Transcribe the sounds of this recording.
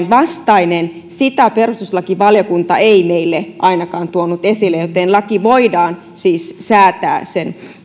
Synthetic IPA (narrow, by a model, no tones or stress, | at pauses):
nʋɑst̪ɑinen | sit̪æperust̪uslɑkiʋɑljokunt̪ɑeimeilːeʔɑinɑkɑːnt̪uonut̪esilːejjot̪eːnlɑkiʋoidɑːn | siːssæːt̪æ̰ːsen